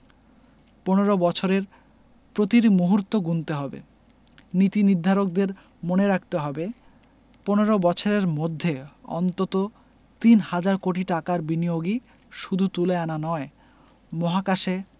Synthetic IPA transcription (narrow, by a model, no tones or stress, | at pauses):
poneɾobɔt͡ɕʰoɾeɾ | pɾot̪iɾimuɦuɾt̪ːoɡunt̪eɦɔbḛ | nit̪inid̪ʱaɾok̚d̪eɾ | moneɾak̚t̪eɦɔbe | poneɾobɔt͡ɕʰoɾeɾmod̪ʱːeɔ̰nt̪ot̪o | t̪inhad͡ʑaɾkoʈiʈakaɾbinijoɡi | ʃud̪ʱut̪uleananɔe | mɔɦakaʃe